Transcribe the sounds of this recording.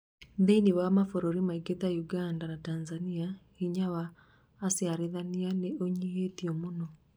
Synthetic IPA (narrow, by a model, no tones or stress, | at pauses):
ðeiniwamafoɾoɾimaiɡeðajuɡandanatanzania | iɲawaː | sjaɾeðanianeoɲiɦetiɔmonɔ